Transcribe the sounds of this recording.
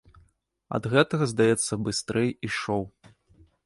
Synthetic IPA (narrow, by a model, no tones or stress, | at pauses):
ɐ̰d̪ɣɛt̪ɐɣɐzd̪ajɛt̪sːɐbɨst̪ɾɛjiʂɔw